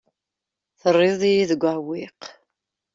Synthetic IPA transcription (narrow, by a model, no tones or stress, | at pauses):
θərˤːɪðˤijiðəɡʷawiq